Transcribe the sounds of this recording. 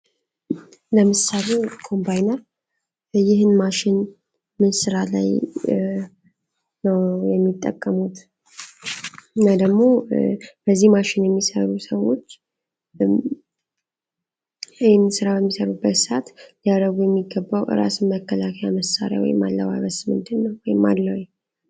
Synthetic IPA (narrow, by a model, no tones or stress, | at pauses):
ləmɨsalekʰo̞mbajnəɾ | jɪhɨnmaʃɪn | mɨnsɨɾala̰j | nəwjɛmːit̪ʼːə̰kʼːəmut̪ | nəd̪əɡmo̞b̥əzːihmaʃɪnjɛmːisə̰ɾusəwo̞t͡ʃː | jnsɨɾabəmːisəɾubːət̪sat̪lijad̪əɡujɛmːiɡːəbːawʔɨ̰ɾa̰sɨmməkʰːəlakʰəjaməsːa̰ɾja̰wɔ̰jɪmːalːə̰wa̰βəsmɨ̰nd̪ɨnːəwwɔjɪmːa̰lːəwɲ